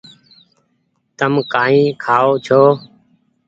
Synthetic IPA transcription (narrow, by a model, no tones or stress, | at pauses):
t̪əmkaːĩːkʰaːoːt͡ʃʰoː